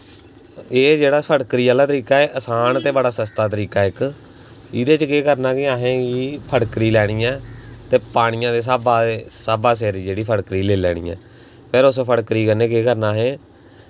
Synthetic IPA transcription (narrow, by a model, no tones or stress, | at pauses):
eːd͡ʒeːɽaːpʰəɽkɾiːaːlaːt̪əɾiːkaːeːʔəsaːnt̪eːbəɽaːsəst̪aːt̪əɾiːkaːɪk | ɪd̪eːt͡ʃkeːkəɾnaːkɪãːɦẽːɡiːpʰəɽkɾiːlɛːɽ̃iːɛ̃ːt̪eːpaːɽ̃ɪjãːd̪eːs̬aːbaːeːsaːbaːs̬ɛːɾiːd͡ʒeːɽiːpʰəɽkɾiːleːlɛ̰ːɽ̃ḭːɛ̰ː | pʰɪɾʊspʰəɽkɾiːkənẽːkeːkəɾnaːɦeː